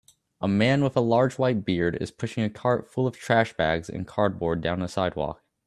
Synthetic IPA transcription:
ʔəmæ̃nwəðəlɑɹd͡ʒwaɪt̚b̥ɪɹɾɪ̰z̥pʰʊʃɪ̃ŋɨkʰɑɹtfʊlˠʌv̥tʰɹ̥æʃb̥æ̰ɡzɨ̰̃nkʰɑɹd̚bɔɹdãʊ̃nðəsaɪd̚wɔ̰k̚

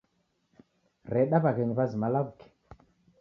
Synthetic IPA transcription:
rɛɗaβakɛɲiβazimalakukɛ̥

